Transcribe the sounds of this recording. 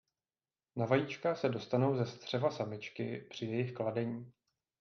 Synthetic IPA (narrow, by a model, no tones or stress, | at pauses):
navajiːt͡ʃkaxsɛdo̞st̪ano̞wzɛst̪r̝̥ɛvasamɪt͡ʃkɪ̰pr̝̥ɪjɛjɪxkladɛɲiː